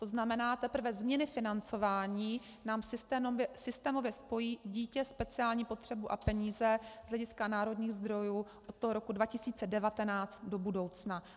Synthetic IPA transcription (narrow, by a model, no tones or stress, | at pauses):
t̪o̞znamɛnaːt̪ɛpɾ̩vɛzmɲɛnɪfɪnant͡so̞vaːɲiː | naːmsɪst̪ɛmɛsɪst̪ɛːmo̞vjɛspo̞jiːɟiːcɛspɛt͡sɪaːlɲiːpo̞t̪r̝̥ɛbuʔapɛɲiːzɛz̥lɛɟɪskanaːɾo̞dɲiːɣzd̪ɾo̞juːʔot̪̚t̪ːoɦoɾo̞kudvacɪsiːt͡sɛdɛvat̪ɛnaːt͡st̪do̞budo̞wt͡sna